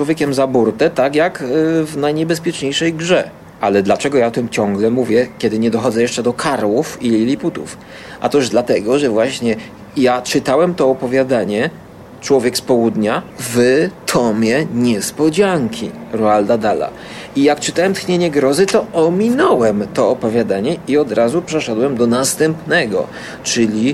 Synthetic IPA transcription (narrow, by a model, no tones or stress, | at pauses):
wɔvʲjeɛkʲɛmzabuɾt̪ɛt̪akjakvnajɲɛbɛspʲjɛt͡ʂɲejʂɛjɡʐɛ | alɛd̪lat͡ʂɛɡɔjaɔt̪ɘmt͡ɕɔŋɡlɛmuvʲjɛkʲɛd̪ɘɲɛd̪ɔxɔd̪zɛjɛʂt͡ʂɛd̪ɔkʰaɾwufilʲilʲiput̪ṵf | ʔa̰t̪ɔʐd̪lat̪ɛɡɔʐɛvwaɕɲɛ | jat͡ʂɘt̪awɛmt̪ɔːpɔvʲjad̪aɲɛ | t͡ʂwɔvʲjɛkspɔwud̪ɲavɘt̪ʰɔmʲjɛɲɛspɔd͡ʑaŋkʲiɾɔald̪ad̪ala̰ | ijakt͡ʂɘt̪awɛmt̪xɲeɲɛɡɾɔzɘt̪ɔɔmʲinɔwɛmt̪ɔːpɔvʲjad̪aɲɛiɔd̪ɾazupʂɛʂɛd̪wɛmd̪ɔnast̪ɛmpnɛɡɔ̰ | t͡ʂɘlʲi